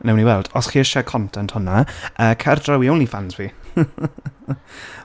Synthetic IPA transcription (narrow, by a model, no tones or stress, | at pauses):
nɛwniwɛlˠd̥ɔsχiːəʃɛkʰɔntʰɛnthʊnaʔəːkʰɛrdrawiownifansvi